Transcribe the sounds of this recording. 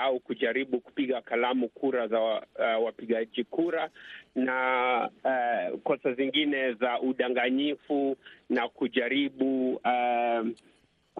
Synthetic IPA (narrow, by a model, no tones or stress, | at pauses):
aukuʄaɾiɓuku̥piɠakalamukuɾazawapiɠaʄikuɾana | kɔsaziŋɡinɛzaʔuɗaŋɡaɲifunakuʄaɾiɓu